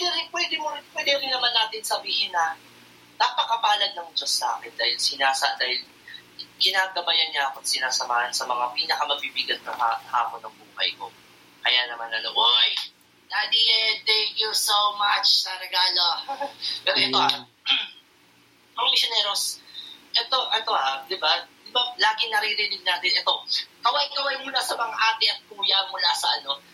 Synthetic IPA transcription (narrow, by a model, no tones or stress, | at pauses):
ɛd̪ɪɾɪnpwɛːd̪ɪmopwɛd̪ɪɐɾɪnɐmanːaːt̪ɪnsɐbiːhɪnːɐ | nɐpɐkɐpaːlɐd̪ːɐŋd͡ʒo̞sːa̰ːkɛnd̪aːhɪlsɪnaːsɐʔd̪aːhɪl | kɪnaːɡɐbɐjɐnɲaʔɐkot̪sɪnaːsɐmaːhɐnsɐmɐŋapiːnɐkɐmɐɡ̚bibɪɡɐt̪̚nɐŋha̰ɐha̰ːponːɐŋbuːhɐ̰jko̞ | kɐjaːnɐmanɐnoʔoj | d̪ad̪it̪ɛ̃ŋkjusowmat͡ʃt̪ɐlɐɡaːlo | pɛːɾoʔɛt̪o̞ʔa | pɐŋmiʃonɛːɾo̞sʔɛt̪o̞ʔɛt̪o̞had̪ɪbad̪ɪbalaːɡɪŋnɐɾiɾɪnɪɡ̚naːt̪ɪnʔɛt̪o̞kɐwajkɐwajmʊlasɐmɐŋaʔaːt̪ɪʔɐt̪̚kuːjɐmʊlasɐʔɐno̞